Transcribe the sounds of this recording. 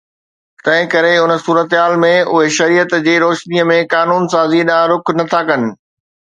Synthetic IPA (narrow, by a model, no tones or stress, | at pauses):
t̪ɐ̃ɦɪ̃kɐɾeʊnə̆suːɾət̪ɦaːlmẽʊɦeʃɐɾijət̪d͡ʑeːɾoːʃniəmẽkaːnuːnsaːziɗãːɾʊkʰnɐt̪ʰakɐnɪ̆